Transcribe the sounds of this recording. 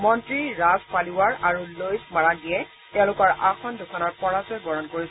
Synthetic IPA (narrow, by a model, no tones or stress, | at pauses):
mɔntɹiɹazpaliwaɹaɹulojsmaɹadijɛ | tɛʊ̃lʊkɔɹʔaxɔndukʰanɔɹpɔɹazɔjbɔɹɔnkoɹis